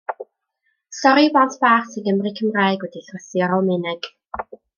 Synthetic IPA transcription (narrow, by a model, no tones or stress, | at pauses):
stɔɾibɔntʰb̥aχsʰəɡəmrikʰəmrajɡwɛdiɬrəsiɔɾɔlˠmɪnɛɡ̥